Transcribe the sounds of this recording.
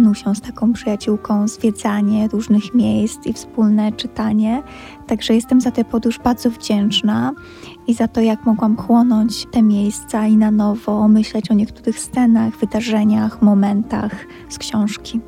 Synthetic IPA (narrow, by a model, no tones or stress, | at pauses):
nuwɕɛst̪akɔ̃w̃pʂɘjat͡ɕuwkɔ̃w̃zvʲjɛd̪zaɲɛɾuʐnɘxmʲjejst̪sifspulnɛt͡ʂɘt̪aɲɛ | t̪aɡʐɛjɛst̪ɛmzat̪ɛpɔd̪uʐbaɾd̪zɔvd͡ʑɛnt͡ʂna | izat̪ɔjakmɔɡwamkwɔnɔɲt͡ɕt̪ɛmʲjejst̪sainanɔvɔmɘɕlɛt͡ɕɔɲɛkt̪uɾɘxst̪sɛnaɣvɘd̪aʐɛɲaxmɔmɛnt̪a̰x | skɕɔ̃w̃ʂkʲi